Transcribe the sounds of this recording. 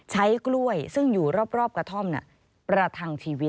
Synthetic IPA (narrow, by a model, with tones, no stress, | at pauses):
t͡ɕʰa˦˥jklu˥˩əjsɯ˥˩ŋjuː˨˩ɾɔː˥˩p̚ɾɔː˥˩p̚kɾa˧t̪ʰo˥˩mnḭ˧˩ʔ | pɾa˧t̪ʰa˧nt͡ɕʰiː˧wi˦˥